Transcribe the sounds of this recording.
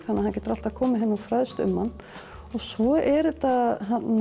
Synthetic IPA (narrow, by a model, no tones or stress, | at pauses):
θanːaðhancɛːt̪ʏɾalt̪aðkʰɔːmɪɦɛnːafɾaðst̪ʏ̰mːanː | ɔɣsɔɛɾʏt̪aɦan